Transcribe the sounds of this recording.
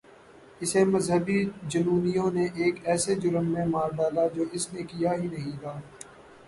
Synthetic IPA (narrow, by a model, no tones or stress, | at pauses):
ɪsemɐzɦəbid͡ʒɐnuːnijõneʔeːkɛːsed͡ʒʊɾəmːẽmaːɾɖaːlad͡ʒoːɪsnekijaɦinɐɦĩt̪ʰaː